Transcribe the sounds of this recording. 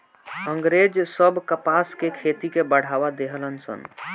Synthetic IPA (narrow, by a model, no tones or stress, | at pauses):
əŋɡɾed͡ʒsəbʱkəpaskekʰet̪ikebəɽ̤abad̪eɦələnsə̰n